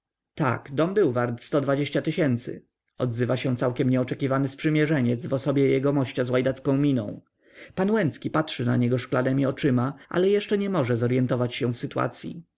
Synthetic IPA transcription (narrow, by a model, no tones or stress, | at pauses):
t̪a̰ɡd̪ɔmbɘwvaɾt̪st̪ɔd̪vad͡ʑeɕt͡ɕat̪ɘɕɛnt̪sɘ̰ | ɔd̪zɘvaɕɛ̃t̪sawkʲɛmɲɛɔt͡ʂɛkʲivanɘspʂɘmʲjɛʐɛɲɛd̪zvɔsɔbʲjɛjɛɡɔmɔɕt͡ɕazwajd̪at̪skɔ̃w̃mʲinɔ̰̃w̃ | panwɛnt̪skʲipatʂɘna̰ɲɛɡɔʂklanɛmʲiɔt͡ʂɘmaʔa̰lɛjɛʂt͡ʂɛɲɛmɔʐɛzɔɾjɛnt̪ɔvat͡ɕɕɛ̃fsɘt̪wa̰t̪sʲjḭ